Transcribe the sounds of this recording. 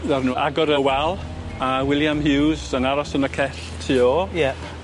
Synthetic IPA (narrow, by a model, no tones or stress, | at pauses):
ðarnuːʔa̰ɡɔɾəwɛlˠ | awɪlˠjamɦɪwzənaɾɔsənəkʰɛɬ | tʰiːɔjɛp